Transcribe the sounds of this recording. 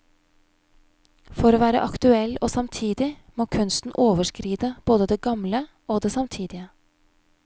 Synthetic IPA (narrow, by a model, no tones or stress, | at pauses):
fɔɾoːʋæːɾə̰ʔɑkt̪ʉɛloːsɑmt̪ʰiːd̪ɪ | moːkʰʉnst̪n̩ʔoːʋəʂkɾiːd̪əb̥oːd̪əd̪eːɡɑmlə | oːd̪eːsɑmt̪ʰiːd̪ɪə